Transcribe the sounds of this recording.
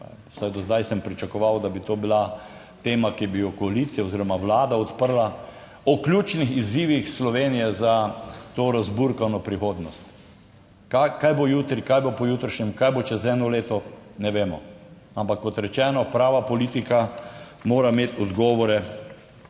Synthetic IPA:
sajd̪ɔzd̪ajsəmpɾit͡ʃakɔʋawd̪abit̪oːbila | t̪eːmakibijɔkɔalit̪sijaoziɾɔmaʋlaːd̪aɔt̪pəɾla | ɔklʲjut͡ʃnixiziʋixslɔʋeːnijɛzat̪oːɾazbuɾkanɔpɾixoːd̪nɔst̪ | kakajbojut̪ɾikajbopɔjuːt̪ɾəʃɲɛmkajbot͡ʃɛzɛːnɔleːt̪ɔnɛʋeːmɔ | ampakːɔt̪ɾɛt͡ʃɛːnɔpɾaːʋapɔliːt̪ika | moːɾameːt̪ɔd̪ɡɔːʋɔɾɛ

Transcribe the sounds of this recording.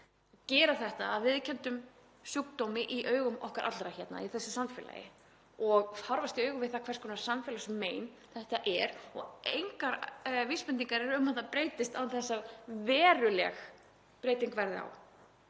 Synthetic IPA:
cɛːɾaθɛht̪aːðvɪðcʰɛnt̪ʏm | syːkt̪owmɪʔiʔœːɥɣʏmɔ̰hkaɾʔa̰t̪lɾaçɛt̪na̰iθɛsːɪsamfɛːla̰jɪ̰ | ɔɣhawɾvast̪ɪœːɥɣʏmvɪðθakʰvɛrskʰɔːnḁsamfɛlasmːeːjn | θɛht̪aʔɛɾɔɣejŋkaɾvispɛnt̪ːiŋkaɾɛɾʏmaθapɾeːjt̪ɪst̪anθɛsːavɛːɾʏlɛ̰x | pɾeːjt̪iŋkvɛɾðɪa̰w

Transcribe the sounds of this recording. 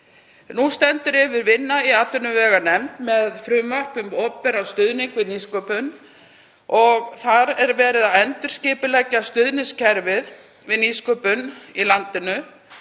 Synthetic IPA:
nust̪ɛnt̪ʏɾɪvɪɾvɪnːaiaːt̪ʏnʏvɛːɣanɛmt̪mɛðfɾʏmvar̥kʏmɔppɛɾanst̪ʏðniŋkvɪðniskœːpʏn | ɔɣθaɾɛɾvɛːɾɪðaðɛnt̪ʏɾ̥scɪːpʏlɛcːast̪ʏðnɪscʰɛɾvɪð | vɪðniskœpʏnilant̪ɪnʏ

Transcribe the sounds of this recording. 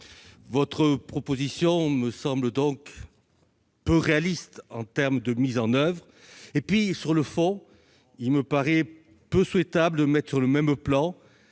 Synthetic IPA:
vɔt̪χəpχɔpozisjɔ̃məsɑ̃bləd̪ɔ̃k | pøʁealist̪ɑ̃t̪ɛʁmd̪əmizɑ̃nœvʁ | epɥisyʁləfɔ̃ | ilməpaʁɛ | pøswɛt̪abləd̪əmɛt̪χə̥syʁləmɛmplɑ̃

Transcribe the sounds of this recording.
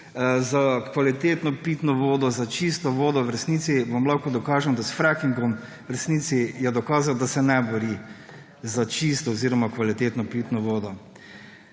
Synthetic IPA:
zakʋalit̪eːt̪nɔpiːt̪nɔʋoːd̪ɔzat͡ʃist̪ɔʋoːd̪ɔwɾɛsniːt̪siʋɔmlaxkɔd̪ɔkaːʒɛnd̪asfɾakiŋɡɔm | wɾɛsniːt̪sijɛd̪ɔkaːzawd̪asɛnɛbɔɾi | zat͡ʃist̪ɔɔziɾɔmakʋalit̪eːt̪nɔpiːt̪nɔʋoːd̪ɔ

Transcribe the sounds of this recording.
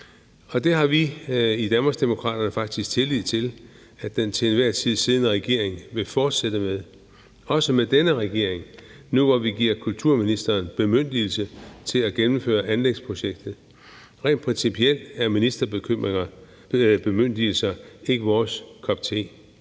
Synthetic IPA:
ɒ̽d̥e̝ɦɑ̈ʋiid̥ænb̥ɐsd̥imo̝kʰʁɑ̰ːd̥ɐnəfɑ̈ɡ̥̚d̥isɡ̥t͡sʰe̝lið̰ˠt͡sʰe̝l | æ̥d̥ent͡sʰe̝nʋæɐ̰t͡sʰið̞̰ˠsiːðˠnəʁɛɡ̥e̝ɐ̰eŋʋe̝fɒːd̥sed̥əmeðˠ | ɒ̽səmed̥enəʁɛɡ̥e̝̰ɐ̰e̝ŋ | nuʋɒʋiɡ̥iɐ̰kʰult͡sʰuɐ̰minisd̥ɐːnb̥emøn̰d̥il̩sət͡sʰe̝læɡ̥enm̩fø̰ːɐʔænleɡ̥spʰʁo̝ɕeɡ̥̚d̥ð̩ˠ | ʁɛ̰ːnd̥pʰʁɛnsipʰiel̰d̥æɐminisd̥ɐ̥kʰø | b̥e̝møn̰d̥ilsɐe̝ɡ̥əʋɒːskʰɒ̽b̥̚t͡sʰe̝̰ː

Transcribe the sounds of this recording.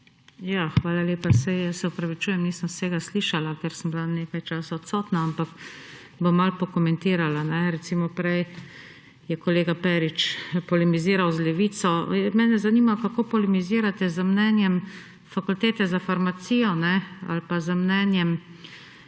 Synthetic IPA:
jaːxʋaːlaleːpasɛjjəsɛɔpɾaʋit͡ʃuːjɛmniːsəmseːɡasliːʃalakɛɾsəmblaneːkajt͡ʃaːsaɔt̪sɔːt̪naampak | bomːalpɔkɔmɛ̃nt̪iːɾalanɛɾɛt̪siːmɔpɾɛj | jɛkɔleːɡapɛːɾit͡ʃpɔlɛmiziːɾawzlɛʋiːt̪sɔmɛːnɛzanimakakoːpɔlimiziːɾat̪ɛzəmnɛːnjɛm | fakult̪eːt̪ɛzafaɾmasiːjɔnɛa̰lpazəmnɛːnjɛm

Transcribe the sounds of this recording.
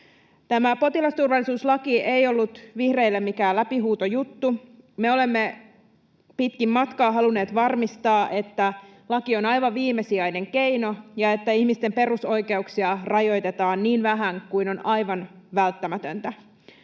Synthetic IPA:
t̪æmæpo̞t̪ilɑst̪urʋɑlːˑisuːslɑkiejo̞lːut̪ʋihre̞ilːemikæːlæpiɦuːt̪ojut̪ːumeo̞le̞mːe | pit̪kimːɑt̪kɑːɦɑlune̞ːt̪ʋɑrmist̪ɑːʔe̞t̪ːælɑkio̞nɑjʋɑʋiːmːesiɑjne̞ŋke̞ino̞jɑe̞t̪ːæihmist̪e̞mpe̞ruso̞jke̞uksiɑrɑjo̞jt̪et̪ɑːnniːnʋæɦæŋkuino̞nɑjʋɑnʋælt̪ːæmæt̪ønt̪æ

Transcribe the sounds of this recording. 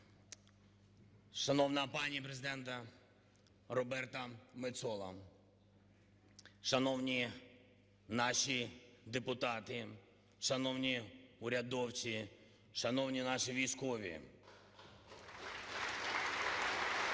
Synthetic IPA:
ʃɐnɔwnɐpɑnʲijɐpɾezɪd̪ɛnt̪ɐ | rɔbɛrt̪ɐmɪt̪sɔlˠɐ̰ | ʃɐnɔwnʲi | nɑʃid̪epʊt̪ɑt̪ɪ | ʃɐnɔwnʲiʊɾʲɐd̪ɔwt͡ʃʲi | ʃɐnɔwnʲinɑʃiʋʲijskɔʋʲḭ

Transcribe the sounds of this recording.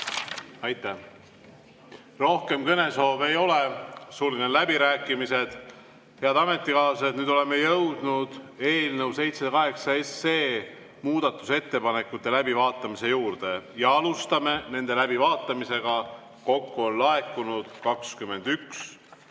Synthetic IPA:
ɑjt̪ːˑæ | ro̞hke̞mkɤne̞so̞ːbe̞jo̞le̞suːlined̪læbiɾæːkːˑimise̞d̪̥ | he̞ɑd̪̥ɑme̞t̪ˑːikɑːlset̪nyːd̪ole̞mːejɤwd̪̥nud̪̥e̞ːlnewse̞jt̪sekɑɦe̞ksɑe̞seː | muːd̪̥ɑt̪ːˑuse̞t̪ːe̞pɑne̞kːˑut̪ːˑelæbivɑːt̪ˑːɑmise̞juːrd̪̥e̞jɑɑlust̪ɑme̞ne̞nd̪e̞læbivɑːt̪ːˑɑmise̞ɡ̥ɑ | ko̞kːuo̞nlɑekːˑunud̪̥kɑkskymːe̞nd̪̥yks

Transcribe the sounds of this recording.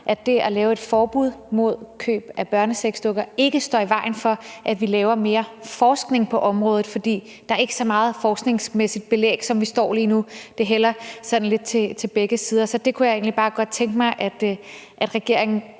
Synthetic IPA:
ʔæd̥e̝ælɛːʊe̝d̥fɒːb̥uð̰ˠmo̝ð̞̰ˠkʰø̰ːb̥æb̥ɶɐnəseɡ̥sd̥oɡ̥ɐe̝ɡ̥əsd̥ɒ̰ːiʋɑ̈ɪ̰nfɒ̽ʔæd̥ʋilɛːʊɐme̝ːɐfɒːsɡ̥ne̝ŋpʰɒ̽ʔɒ̽mʁɔ̽ːð̩ˠfɒ̽d̥ḭː | d̥ɑ̈æɐe̝ɡ̥əsɒ̽mɑ̈ːð̩ˠfɒːsɡ̥ne̝ŋsmesid̥̚b̥e̝lḛːɡ̥sɒ̽mʋisd̥ɒ̰ːliːnud̥e̝ɦel̰ɐsɒ̽d̥n̩le̝d̥̚t͡sʰe̝t͡sʰe̝lb̥eɡ̥əsiːð̞ˠɐsɒ̽d̥e̝kʰujɑ̈e̝̰ːnlib̥ɑ̈ːɡ̥ɒ̽d̥̚t͡sʰeŋɡ̥əmɑ̈ɪʔæd̥ | ʔæd̥ʁɛɡ̥e̝ɐ̰e̝ŋn̩

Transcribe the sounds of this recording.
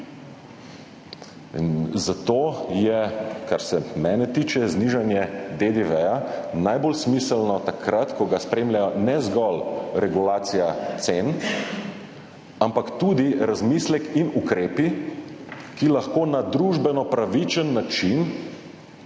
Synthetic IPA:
nzat̪oːjɛkaɾsɛmɛːnɛt̪iːt͡ʃɛzniʒanjɛd̪ed̪eʋɛjanajbolsmisəlnɔt̪akɾat̪kɔɡaspɾeːmlʲjajɔnɛzɡɔlɾɛɡulaːt̪sijat̪sen | ampakt̪ud̪iɾazmislɛkinukɾeːpi | kilaxkoːnad̪ɾuʒbɛnɔpɾaʋit͡ʃənːat͡ʃin

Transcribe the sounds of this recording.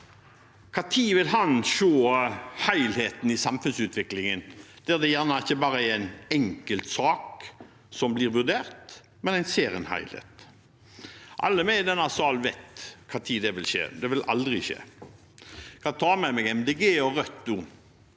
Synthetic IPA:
kʰɑːt̪ʰiːʋɪlɦɑnʃoːhæɪlheːt̪n̩ɪsɑmfʉnsʉːt̪ʋɪklɪŋənd̪̥ɛːd̪ɛjæʁnɑɪçːəbɑːɾəææɪnɛŋkəlt̪sɑːk | sɔmbliːɾʋʉʁd̪eːʁt̪ | mɛnæɪnseːɾɪənhæ̰ɪlhḛːt̪ | ʔɑ̰lːəmɛd̪ɛnɑsɔɑlʋɛɪt̪kʰɑːt̪ʰiːd̪ɛʋɪlʃḛːd̪ɛʋɪlʔɑ̰ld̪ɾɪʃḛː | kʰɑːt̪ʰɑːmɛmɛɡɛmd̪eɡeːɔʁœt̪ːʊ

